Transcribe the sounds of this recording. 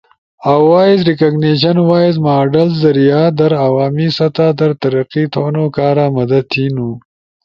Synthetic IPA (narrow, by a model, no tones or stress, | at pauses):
awwaːizɾikaɡneːʃ̬ɐnwaːizmaːɖɐlzd̪ɐɾijaːd̪ɐɾawaːmisɐt̪aːd̪ɐɾt̪ɐɾɐqit̪ʰoːnokaːɾamɐd̪ɐd̪̚t̪ʰinu